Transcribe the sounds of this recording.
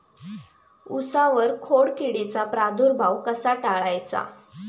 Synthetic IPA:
usaʋəɾkʰoɽkiɽet͡sapɾad̪uɾbʱawkəsaʈaɭajt͡sa̰

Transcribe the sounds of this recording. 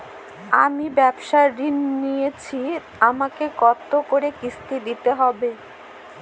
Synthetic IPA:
a̰mibɛbʃaɾinːijet͡ɕʰi | amakekɔt̪ːokoɾekist̪id̪it̪eɦɔbe

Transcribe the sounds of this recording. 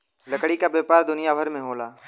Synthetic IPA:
ləkɽikabeːpaːɾd̪ʊnɪjabʱəɾmẽɦoːlaː

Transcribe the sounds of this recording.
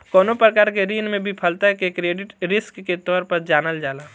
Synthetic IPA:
kɔːnopɾəkaːɾkeɾiːnmẽbʱipʰəlt̪aɦɛkekɾeːɖɪʈɾɪskːet̪ɔːɾpəɾd͡ʒaːnəld͡ʒaːlaː

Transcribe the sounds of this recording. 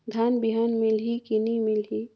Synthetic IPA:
d̪ʱaːnbiɦanmɪlɦikinimilɦi

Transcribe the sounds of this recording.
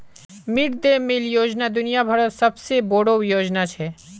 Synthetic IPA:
mɪʈd̪emɪljoːd͡ʒnad̪ʊnijabʱəɾsɐbseboːɽojoːd͡ʒnat͡ʃʰɛ

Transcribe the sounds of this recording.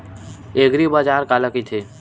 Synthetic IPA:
eːɡɾibad͡ʒaːɾkaləkit̪ʰeː

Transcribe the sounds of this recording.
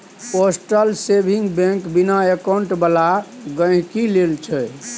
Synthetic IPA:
posʈəlsebʱiŋɡbẽkbinaekaɳʈbəlaɡə̃jkilelt͡ʃʰɛ

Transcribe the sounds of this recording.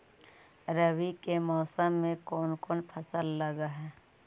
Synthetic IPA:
ɾəwikemɔːsəmːẽkɔːnkoːnpʰəsəlːəɡaɦɛː

